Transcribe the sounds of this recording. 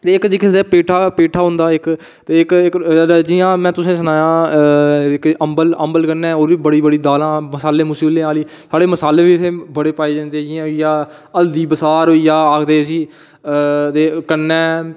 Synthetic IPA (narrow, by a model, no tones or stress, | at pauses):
t̪eːɪkd͡ʒikɪːd̪eːpeːʈʰaːpeːʈʰaːɦʊ̃nd̪aːɪk | t̪eːɪkɪkɾd͡ʒiːãːmɛ̃ːt̪ʊsẽːs̬ənaːjãː | ɪkəmbələmbəlkənɛ̃ːoːɾʋiːbəɽiːbəɽiːd̪aːlãːməsaːleːmʊsiːblẽːaːliːsaːɽeːməsaːleːʋiːɪt̪ʰeːbəɽeːpaːeːd͡ʒãːnd̪eːd͡ʒɪãːijaː | əld̪iːbəsaːɾoiːjaːaːkʰd̪eːsiː | t̪eːkənːɛː